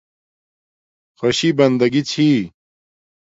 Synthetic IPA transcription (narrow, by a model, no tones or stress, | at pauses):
xoɕibɐnd̪ɐɡit͡ɕʰi